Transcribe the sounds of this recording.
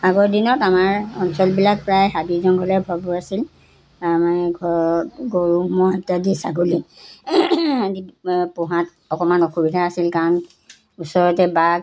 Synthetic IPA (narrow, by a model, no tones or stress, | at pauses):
aɡɔdinɔtamaɹɔnsɔlbilak̚pɹajhabizɔnɡɔlɛbʱɔbɔasil | amaɡɔɡoɹumɔatadisaɡoli | adipɔɦat | ɔkɔmanɔkʰubidʱaasilkaɹɔn | usɔɹɔtɛbaɡ